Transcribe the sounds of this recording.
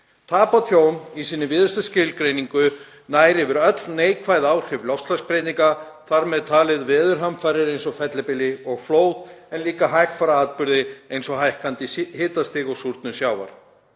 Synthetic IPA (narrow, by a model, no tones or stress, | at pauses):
t̪ʰaːpat̪ʰjoːwnisiːnɪvɪːðʏst̪ascɪlkɾejniŋkʏ | naːjɾɪvɪɾœt̪lneːjkʰvajðaːwr̥hɪvlɔftslaspɾejt̪iŋkaθaɾmɛðt̪ʰaːlɪðvɛːðʏɾɦamfajɾɪɾejnsɔfɛt̪lɪpɪlɪɔɣfloːwðɛnliːkaɦajkfaɾaaːt̪pʏɾðɪejnsɔɦajhkant̪ihɪːt̪ast̪ɪːɣɔsuɾt̪nʏsjaːwva̰ɾ̥